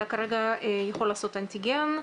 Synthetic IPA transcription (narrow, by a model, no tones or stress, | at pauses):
akaɾeɡajaχolːaːso̞t̪ant̪iɡen